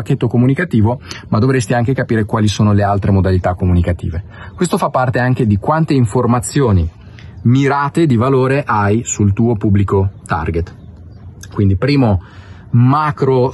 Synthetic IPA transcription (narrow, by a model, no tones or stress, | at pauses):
ak̟ːet̪ːokomunikat̪iːvomad̪ovɾest̪iaŋk̟ekapiːɾekwaːlisoːnolealt̪ɾemod̪alit̪akːomunikat̪ḭːve | kwest̪ofapːart̪eaŋk̟ed̪ikwant̪eiɱformat̪sːjoːni | miɾaːt̪ed̪ivaloːɾeʔajsult̪uːopubːlikot̪a̰rɡet̪ | kwind̪ipɾiːmo | makɾo